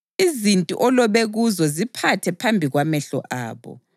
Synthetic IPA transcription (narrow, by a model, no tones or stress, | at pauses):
izintʼṵʔɔlɔβeɣuzɔzipʰatʰɛpʰambʱiɣwamɛɬɔ̰ʔa̰ːβɔ̰